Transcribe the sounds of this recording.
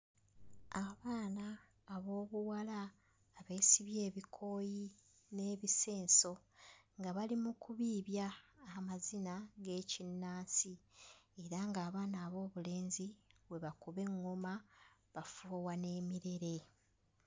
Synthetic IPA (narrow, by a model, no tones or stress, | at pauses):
aβaːnaː | βo̞ːβuwalaː | βe̞ːsiβje̞ːβikʰo̞ːji | ne̞ːβise̞ːnso̞ | ŋɡaβalimukuβiːβjaːmazinaɡe̞ːcinːaːsie̞ɾaŋɡaːβaːnaːβo̞ːβule̞ːnziβwe̞βakuβe̞ŋːomaβafuwane̞ːmiɾe̞ɾe̞